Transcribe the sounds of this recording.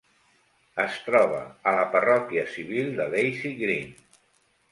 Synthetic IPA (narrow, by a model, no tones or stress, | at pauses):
əst̪ɾɔβ̞ə̰ːləpərɔkiəsiβ̞ilˠd̪əlejsiɣɾin